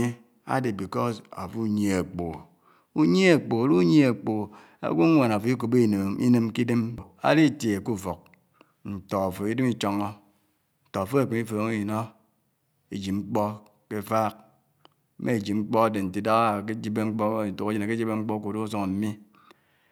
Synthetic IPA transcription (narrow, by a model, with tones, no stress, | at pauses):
e˦ | a̰˦de˨bi˨kɔ˦za̰˨fu˦ɲ˦e˨a˨k͡po˨ | u˦ɲ˦e˦a˨k͡po˨a˨ɾu˦ɲe˦a˨k͡po˨ | a̰˦ɡʷu˦ŋʷa˨na˨fo˨i˦ko˨be˦˨n˨ḭ˦nɨ˦mki˦dɨ˦m˨a̰˦di˦˨tje˨e˨ku˦fo˨k̚ | n̩˨to˨a˨fo˨i˦dɨ˦mi˦t͡ʃo˦ŋɔ˦ | n̩˨to˨a˨fo˦e˨k͡pe˨mi˦fo˨˦ŋe˦˨no˦ | e˨d͡ʒi˨ŋ͡m̩˦k͡pɔ˦ | ke˦fa˦k̚ | mʔe˦e˨d͡ʒi˨ŋ͡m̩˦k͡pɔ˦a˦de˨n̩˨ti˨da˦ɣa˦˨e˦d͡ʒi˦be˦ŋ͡m̩˦k͡pto˨ɣe˦d͡ʒi˦na˨ke˦d͡ʒi˦be˦ŋ͡m̩˦k͡pɔ˦ko˨do˦s̬o˦ŋ˨m̩˦mi˦